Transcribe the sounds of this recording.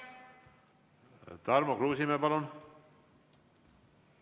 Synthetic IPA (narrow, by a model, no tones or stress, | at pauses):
t̪ɑrmokruːsimepɑlun